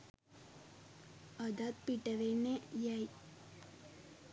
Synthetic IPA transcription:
əd̪at̪̚piʈəʋenejai

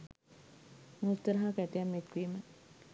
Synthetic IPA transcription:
meust̪ːəɾaɦakæʈijamːekʋiːmə

